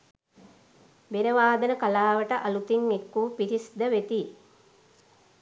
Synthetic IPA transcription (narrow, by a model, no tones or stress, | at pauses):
benəʋaːd̪ənəkalaːʋəʈəʔalut̪iŋekːuːpiɾisd̪əʋet̪i